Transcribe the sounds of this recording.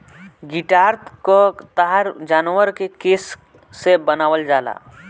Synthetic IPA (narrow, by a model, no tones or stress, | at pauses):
ɡɪʈaːɾt̪kot̪aɦəɾd͡ʒaːnʋəɾkekeːsː | ebənaːʋəld͡ʒaːla̰ː